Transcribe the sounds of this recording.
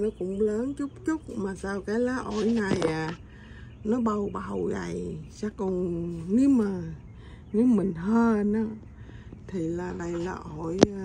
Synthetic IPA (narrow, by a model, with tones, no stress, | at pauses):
nɔ˨˦kʊ̰˧˥ŋ͡mləː˨˦nt͡ɕʊ˦˥k͡p̚t͡ɕʊ˦˥k͡p̚maː˨˩saː˧wkaː˨˦jlaː˨˦ʔo˧˩jŋa˨˩jʔaː˨˩ | nɔ˨˦ɓə˧˩wɓa˨˩wza̰˨˩jsaː˧kɔ˧˩nni˨˦maː˨˩ | ni˨˦wmï˨˩ŋ̟ɦəː˧˨nɔ˨˦ | t̪ʰi˨˩laː˨˩ɗə˧˩jlaː˨˩ʔo˧˩˨j